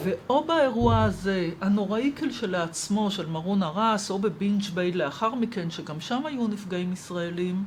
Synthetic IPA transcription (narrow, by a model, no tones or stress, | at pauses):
ve̞ʔo̞baeʁuaaze̞ano̞ʁaikʰelʃe̞laːt͡smo̞ʃe̞lmaʁonaʁaso̞be̞bint͡ʃbejdleaχaʁmike̞nʃeɡamʃamajunifɡaimisʁaelim